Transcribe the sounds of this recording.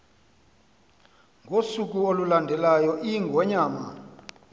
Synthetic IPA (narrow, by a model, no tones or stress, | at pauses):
ŋɡʱosuk̬uolulandʱɛlajɔʔiŋɡʱɔɲaːma̰